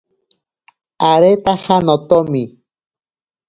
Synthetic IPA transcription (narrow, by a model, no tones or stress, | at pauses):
aɾet̪ahanot̪omi